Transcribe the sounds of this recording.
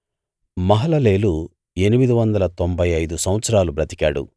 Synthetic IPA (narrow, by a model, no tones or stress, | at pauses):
mɐɦɐlɐle̞ːlu | e̞nimid̪iʋɐnd̪ɐlɐt̪o̞mbʱɐjɐjd̪usɐwʋɐt̪sɐɾaːlubɾɐt̪i̥kaːɽṵ